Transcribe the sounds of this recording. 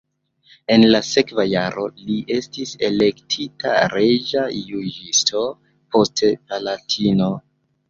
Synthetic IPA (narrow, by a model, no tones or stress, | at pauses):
e̞nlase̞kvajaɾo̞liʔe̞stise̞le̞ktʰita̰ɾed͡ʒajud͡ʒistʰo̞ | po̞stepalatʰino̞